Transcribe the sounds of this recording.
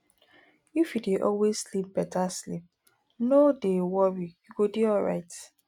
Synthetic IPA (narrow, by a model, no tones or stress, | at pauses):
ifjudeʔɔ̰lwezslip̚bɛtaslḭp̚ | nodewɔɹijuɡodeɔlɹa̰ɪt